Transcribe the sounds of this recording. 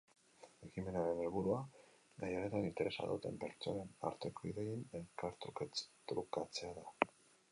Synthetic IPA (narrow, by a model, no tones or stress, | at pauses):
e̞kime̞naɾe̞ne̞lβuɾua | ɡajaɾe̞t̪anint̪e̞ɾʔe̞sa̰ðṵt̪e̞̰mpe̞ɾt͡ʃo̞nena̰ɾt̪e̞ko̞iðejine̞lkaɾt̪ɾuket͡st̪ɾukat͡se̞aða